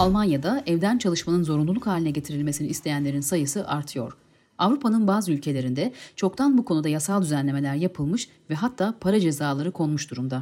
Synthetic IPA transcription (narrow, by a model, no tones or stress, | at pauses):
alˠmanjad̪aɛvd̪ænt͡ʃʰalˠɯʃmanɯnzo̞ɾunlˠulˠukhaːlʲinɛɟe̞t̪ʰiɾilʲme̞siniːst̪ʰe̞jænlʲe̞ɾinsajɯsɯʔaɾt̪ʰɯjo̞̰ɾ̥ | avɾupʰanɯnbaːzɯylʲcʰe̞lʲe̞ɾind̪ɛt͡ʃʰo̞kt̪ʰanbukʰo̞nud̪ajasalˠd̪yzænlʲe̞me̞lʲæɾjapʰɯlˠmɯʃ | vɛɦat̪ʰːaːpʰaɾad͡ʒe̞zaːlˠaɾɯkʰo̞nmuʃd̪uɾumd̪a